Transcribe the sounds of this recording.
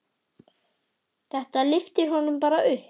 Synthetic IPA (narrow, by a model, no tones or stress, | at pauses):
θɛht̪alɪft̪ɪɾ̥hɔnʏmpaːɾaʏh